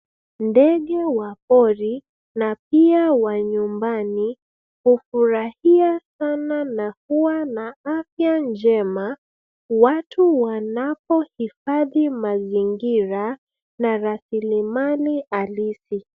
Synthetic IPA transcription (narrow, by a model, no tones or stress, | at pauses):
ndɛɠɛwapɔɾi | nap̚iawaɲumbani | hufuɾahiasananahuwanaafjand͡ʒɛma | watʰuwanapɔhifaðimaziŋɡiɾa | naɾasilimanialisi